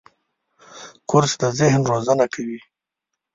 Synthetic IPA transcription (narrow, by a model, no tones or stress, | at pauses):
kʊɾsd̪əzɪhnɾozanakʰawi